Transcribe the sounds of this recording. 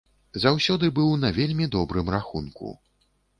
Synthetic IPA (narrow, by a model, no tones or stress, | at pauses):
zawsʲɔd̪ɨbɨwnɐvʲelʲmʲid̪ɔbɾɨmraxunkṵ